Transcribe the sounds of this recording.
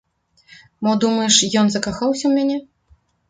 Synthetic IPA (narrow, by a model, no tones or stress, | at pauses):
mɔd̪umɐjɛʂjɔnzɐkaxawsʲɐwmʲanʲɛ